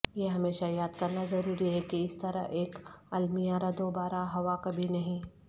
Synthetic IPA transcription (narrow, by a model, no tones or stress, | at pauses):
jeɦɐmeːʃajaːd̪kɐɾnazɐɾuːɾiɦɛkiɪst̪ɐɾə̰ɦʔeːkɐlmijaɾad̪oːbaːɾaɦɐʋakɐbʱinɐɦĩ